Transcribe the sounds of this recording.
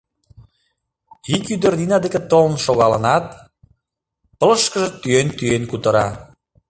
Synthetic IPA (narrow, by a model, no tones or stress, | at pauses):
ikyd̪ə̆rninɑd̪eket̪olnʃoɣɑlə̰nɑt̪̚ | pə̆ləʃkəʒĕt̪yent̪yenkut̪əɾɑ